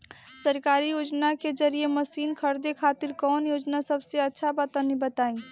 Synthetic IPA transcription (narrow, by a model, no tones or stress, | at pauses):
səɾkaːɾijoːd͡ʒnaked͡ʒəɾieməsiːnkʰəɾd̪ekʰaːt̪ɪɾkɔːnjoːd͡ʒnasɐbseɐtːʃʰabaːt̪anibət̪aːĩ